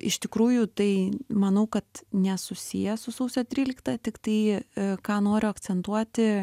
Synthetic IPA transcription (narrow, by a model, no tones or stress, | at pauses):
ɪʃt̪ʲɪkɾuːjʊt̪ɐɪmɐnɐʊkɐt̪nʲɛsʊsʲijɛsʊsɐʊsʲot̪ʲɾʲiːlʲɪkt̪ɐt̪ʲɪkt̪ɐɪkɑːnoːɾʲʊɐkt͡ssʲɛnt̪uɔt̪ʲɪ